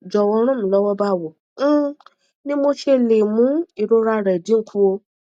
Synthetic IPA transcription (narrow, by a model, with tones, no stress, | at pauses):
d͡ʒɔ˨wɔ˧˦ɾ̃ũ˦mũ˨lɔ˨˦wɔ˦ba˦˨wo˨˦ | nĩ˦mo˦ʃe˧˦˨nẽ˨mũ˨˦i˨ɾo˧˦ɾa˧˨ɾɛ˨dĩ˦ŋ̩˦kʰu˦o˧